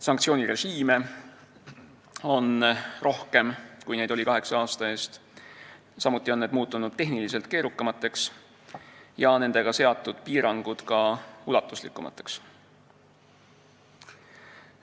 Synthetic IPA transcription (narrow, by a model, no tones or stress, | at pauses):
sɑŋkt̪sio̞ːnʲiɾe̞ʒiːme̞ | o̞nrʔo̞hke̞mkujne̞jd̪̥o̞likɑɦe̞kseɑːst̪ɑe̞ːst̪ | sɑmut̪ˑːio̞nːed̪̚muːt̪ːˑunud̪̥t̪ːe̞ɦnilise̞lt̪̚ke̞ːɾukːˑɑmɑt̪ˑːe̞ks | jɑne̞nd̪̥e̞ɡ̥ɑse̞ɑt̪ːˑud̪̥piːɾɑŋɡ̥ud̪̥kɑulɑt̪ːˑuslikːˑumɑ̰t̪ːˑe̞̥ks